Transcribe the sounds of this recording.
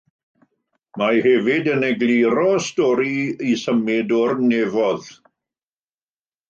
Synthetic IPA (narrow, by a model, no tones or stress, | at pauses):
mahɛvɪdənɛɡlˠiɾɔstɔɾiisəmɪdɔrnevɔð